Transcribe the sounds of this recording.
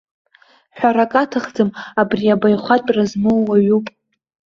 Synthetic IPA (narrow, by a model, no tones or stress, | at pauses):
ħᶣʷaɾakʼatʰɨχd͡zɨmabriabajχʷatʼrazmowːaɥupʼ